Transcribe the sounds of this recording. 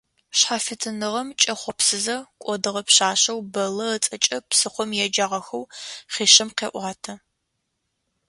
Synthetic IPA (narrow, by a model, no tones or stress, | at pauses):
ɕħaːfɨtʰɨnɨʁɐmt͡ʃʼɐχʷɔpsɨzɐkʷʼɔdɨʁɐpɕaːɕɐwbɐlɐət͡sʼɐt͡ʃʼɐpsɨχʷɔmjɛd͡ʒaːʁɐxɐwχiːɕɪmqeːʔʷaːtʰɐ